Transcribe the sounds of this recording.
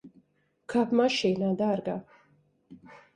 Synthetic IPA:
kʰapʰmaʃɛnad̪aɾɡa

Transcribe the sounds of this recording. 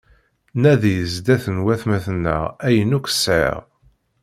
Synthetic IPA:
næðjəzd̪æθənwæθmæθənːə̰ʁæjənukʷə̥sʕḛʁ

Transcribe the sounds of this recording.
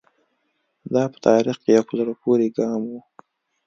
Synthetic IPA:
d̪ɑpə̥t̪ʰɑɾixkejawpəzəɽapʰoɾeɡɑmwu

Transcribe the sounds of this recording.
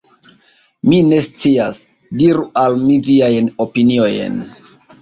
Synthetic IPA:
mine̞st͡sias | diɾuʔalmiviajno̞pinio̞jḛn

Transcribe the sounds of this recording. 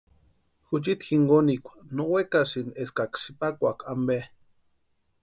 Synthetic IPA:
xut͡ʃit̪xiŋɡonikʷḁnowekasineskaksipakʷakʰambe

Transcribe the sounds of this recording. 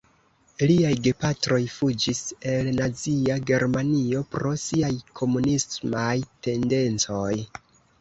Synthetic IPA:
liajɡe̞patɾo̞jfud͡ʒise̞lnat͡siaɡe̞ɾmanio̞pɾo̞siajkʰo̞munismajte̞nde̞nt͡so̞j

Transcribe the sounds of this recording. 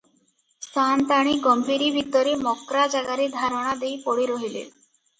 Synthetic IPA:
sant̪aɽ̃iɡɔmbʱiɾibʱit̪ɔɾemɔkɾad͡ʒaɡaɾed̪ʱaɾɔɽ̃ad̪ejpɔɽiɾɔɦilḛ

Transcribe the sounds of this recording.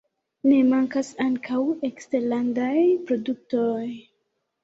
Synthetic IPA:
ne̞maŋkasaŋkʰawe̞kste̞ɾlandajpɾo̞duk̚to̞j

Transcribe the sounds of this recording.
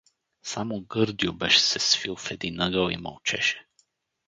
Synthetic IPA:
samoɡɤɾd̪jobɛʃɛ̥sɛsfilˠfɛd̪inəɡəwḭmɐ̰lˠt͡ʃɛʃɛ̥

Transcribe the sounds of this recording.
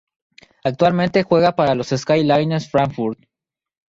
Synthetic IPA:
ak̚t̪walmẽnt̪e̞xwe̞ɣapaɾalo̞seskajlajneɾsfɾaŋfuɾd̪

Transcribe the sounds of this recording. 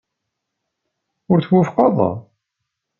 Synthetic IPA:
ʊɾθwufqɑðˤɑ̰

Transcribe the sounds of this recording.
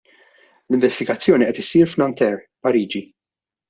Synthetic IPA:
lɪɱvɛst̪ɪɡɐt͡sːjɔːniʔɛt̪ɪsiːɾfnɐnt̪ɛɾ | pɐɾiːd͡ʒi

